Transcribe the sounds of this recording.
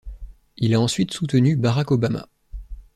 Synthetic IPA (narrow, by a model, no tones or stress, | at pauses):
ilaɑ̃sɥit̪sut̪ənybaʁakɔbama̰